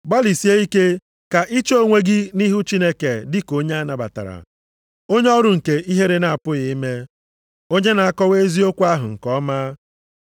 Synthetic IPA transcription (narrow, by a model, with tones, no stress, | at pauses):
ba˦li˨si˦e˦i˦ke˦ | ka˨ʔi˦t͡ʃo˦˨ŋʷe˦ɡɪ˦ni˦ɦu˦t͡ʃi˦ne˦ke˨dɪ˦ko˦ɲe˦a˦na˨ba̰˨ta̰˨ɾa̰˨ | o˦ɲe˦ɔ˦ɾʊ˨ŋ̩˨ke˨i˦ɦe˦ɾe˦na˨a˨pʊ˦ɣɪ˨i˦me˦ | o˦ɲe˦na˨a˦kɔ˦we˦zi˦o˦kʷu˦a˦ɦʊ̰˨ŋ̩˨kɔ˦ma˦